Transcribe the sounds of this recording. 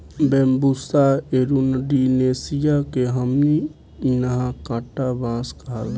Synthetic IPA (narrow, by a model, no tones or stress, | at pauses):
bẽːmbusaeɾunɖineːsijakeɦəmni | inəɦãkãːʈabãːskɦal